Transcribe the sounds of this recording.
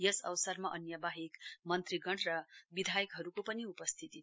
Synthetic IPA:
jʌsʌ̰wsʌrmaʔʌnjʌbaɦekmʌnt̪riɡʌɽrʌbid̪ʱajʌkɦʌɾukopʌniupʌst̪ʰit̪i

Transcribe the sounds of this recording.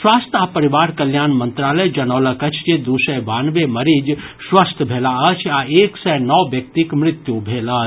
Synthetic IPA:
swaːst̪ʰapəɾiʋaːɾkəljaːnmə̃nt̪ɾaːləjd͡ʒɐnɔːləkət͡ʃʰd͡ʒed̪usəbaːnʋeməɾiːd͡ʒ | swast̪ʰbʱeːlaət͡ʃʰaeːksɛjnɔːbjək̚t̪ikmɾɪt̪jubʱeːlat͡ʃ

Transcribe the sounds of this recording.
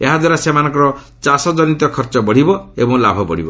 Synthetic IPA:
eɦad̪waɾasemanɔ̃ŋkɔɾɔ | t͡ʃasɔd͡ʒɔnit̪ɔkʰɔɾt͡ʃɔbɔɽ̤ibɔḛbɔŋlabʱɔbɔɽ̤ibɔ

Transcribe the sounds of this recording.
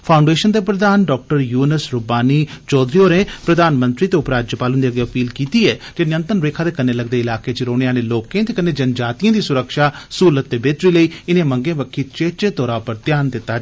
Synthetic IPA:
pʰaːʊ̃ɳɖeːʃənd̪eːp̬ɾəd̪aːnɖɔːk̚ʈəɾjuːnəsɾʊbaːniːt͡ʃɔːd̪ɾijoːɾẽːpɾəd̪aːnmə̃nt̪ɾiːt̪eːʊpɾaːd͡ʒjəpaːlə̃nd̪iːəɡeəpiːlkiːt̪iːɛːd͡ʒenɪjə̃nt̪ənʋeːkʰaːd̪eːkənːeːləɡd̪eːɪlaːkeːt͡ʃɾoːɽ̃ejãːneːloːkẽːt̪eːkənːẽːd͡ʒənd͡ʒaːt̪ijãːd̪iːsʊɾəkʃaːsuːlət̪ːeːbeːt̪ɾiːləiːɪnẽːməŋɡẽːʋəkʰːiːt͡ʃeːt͡ʃeːt̪ɔːɾaːpəɾt̪jaːnd̪ɪt̪ːaː

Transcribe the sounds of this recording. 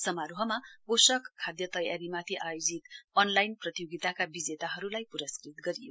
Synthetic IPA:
sʌmaɾoɦʌmabosʌkʰːad̪jʌt̪ʌjaɾimat̪ʰiʔajod͡zit̪ʌnlajnprʌt̪ijoɡit̪akabid͡zet̪aɦʌɾulajpuɾʌskrit̪ɡʌɾijo

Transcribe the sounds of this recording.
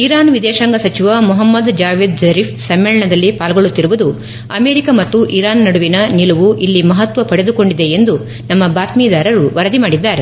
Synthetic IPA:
iɾaːnʋid̪ɛːʃɐŋɡɐsɐt͡ʃiʋɐmuɦɐmːɐd̪d͡ʒaːʋeːd̪zɐɾiːfsɐmːɛɭɐɳɐd̪ɐlːipaːlɡoɭut̪ːiɾuʋud̪u | ɐmeːɾikɐmɐt̪ːuʔiɾaːnːɐɽuʋinɐniluʋuʔilːimɐɦɐt̪ʋɐpɐɽed̪uko̞ɳɖid̪e̞end̪u | nɐmːɐbaːt̪miːd̪aːɾɐɾuʋɐɾɐd̪imaːɽid̪ːaːɾe̞

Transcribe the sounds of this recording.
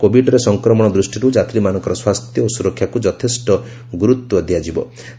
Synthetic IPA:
kobʱiɖɔɾesɔŋkɾɔmɔɽ̃ɔd̪ɾusʈiɾud͡ʒat̪ɾimanɔŋkɔɾɔswast̪jɔːsuɾɔkʰjakud͡ʒɔt̪ʰesʈɔ | ɡuɾut̪ːwɔd̪ʱjad͡ʒibɔ̰

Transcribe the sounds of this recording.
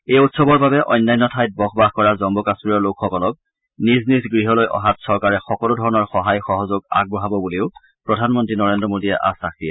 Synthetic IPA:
ejutsɔbɔɹbabɛʔɔ̰jnːajnːɔtʰajt̚bɔxbaxkɔɹazɔmbɔkasɹiɔɹlokxɔkɔlɔk̚ | niznisɡɹiɦɔlojʔɔ̰ɦatsɔɹkaɹɛxɔkɔlʊdʱɔɹɔnɔɹxɔɦajxɔɦɔzoɡa̰ɡ̚bɔɦabɔbuleʊ | pɹɔdʱanmɔntɹinɔɹendɹɔmodiɛ̰ʔa̰sak̚tiɛ

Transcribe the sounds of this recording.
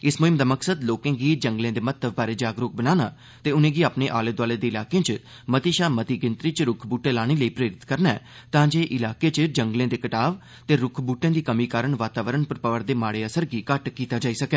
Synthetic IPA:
ɪsmoːɦɪmd̪aːməksəd̪loːkẽːɡiːd͡ʒə̃ŋɡlẽːd̪eːmət̪əbbaːɾeːd͡ʒaːɡɾʊk̚bənaːnaː | t̪eːʊnẽːɡiːaːpneːʔaːleːd̪ʋaːleːd̪eːɪlaːkẽːt͡ʃ | mət̪iːʃaːmət̪iːɡɪ̃nt̪ɾiːt͡ʃɾʊkʰbuːʈeːlaːɽ̃eːləiːpɾeːɾɪt̪kəɾnaɛː | t̪ãːd͡ʒeːʔɪlaːkeːt͡ʃd͡ʒəŋɡlẽːd̪eːkəʈaːʋ | t̪eːɾʊkʰbuːʈẽːd̪iːkəmiːkaːɾəɳʋaːt̪aːʋəɾəɳpəɾpəʋəɾd̪eːmaːɽeːəsəɾɡiːkəʈkiːt̪aːd͡ʒaːiːsəkɛː

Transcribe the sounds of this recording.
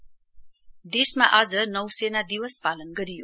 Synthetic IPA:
d̪esmaʔʌd͡zʌnʌwsenad̪iwʌspalʌnɡʌɾijo

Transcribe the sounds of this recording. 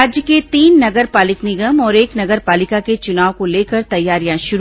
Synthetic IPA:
aːd͡ʒjəket̪iːnːɐɡəɾpaːlɪknɪɡəmɔːɾeːknɐɡəɾpaːlɪkaket͡ʃʊnaːʋokoleːkəɾt̪ɐjːaːɾijãʃʊɾ

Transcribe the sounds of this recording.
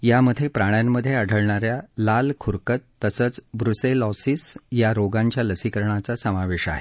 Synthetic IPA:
jaməd̪ʱjepɾaɽ̃jamːəd̪ʱːjeəɽʱəɭɳaɾjalalkʰuɾkət̪ːəsəːt͡sbɾuselɔsisjaɾoɡaɲt͡ɕjaləsikəɾɳ̃at͡sasəmaʋeɕa̰ɦe

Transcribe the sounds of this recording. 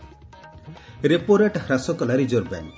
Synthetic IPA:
ɾepoɾeʈɾasɔkɔlaɾid͡ʒɔɾba̰ŋ

